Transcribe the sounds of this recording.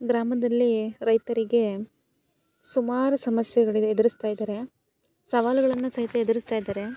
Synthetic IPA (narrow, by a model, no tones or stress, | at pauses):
ɡɾaːmɐd̪ɐlːiɾɐjt̪ɐɾiɡe̞ | sumaːɾusɐmɐsjɛɡɐɭied̪ɐɾist̪aːjid̪ɐːɾe̞ | sɐʋaːluɡɐɭɐnːusɐɦit̪ɐed̪ɐɾist̪aːjd̪aːɾe̞